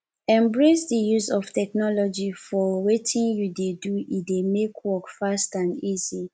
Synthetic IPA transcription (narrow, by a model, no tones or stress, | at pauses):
ɛ̃mbɹesdijusɔftɛknɔlɔd͡ʒifɔwetʰĩnjudeduidemekʰwɔkfastãnizi